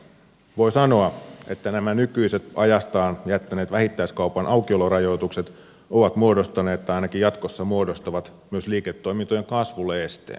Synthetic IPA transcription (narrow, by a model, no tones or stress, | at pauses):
ʋo̞jsɑno̞ɑe̞t̪ːænæmænykyise̞t̪ɑjɑst̪ɑːnjæt̪ːæneːt̪ʋæhit̪ːæiskɑupɑnʔɑwkiolorɑjo̞t̪ukse̞t̪ | oʋɑt̪muodost̪ɑne̞ːtt̪ːæɑjnɑk̟ijɑt̪ko̞sːɑmuodo̞st̪ɑʋɑt̪myøsliːket̪ːo̞jmint̪ojeŋkɑsʋulːeest̪ḛːn